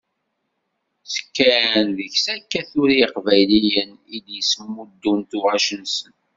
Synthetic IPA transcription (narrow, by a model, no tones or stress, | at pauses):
sə̥kːænðəçsækːæθuɾiqvæjlijənid̪jəsəmːud̪ːunt̪ʊʁæʃənsən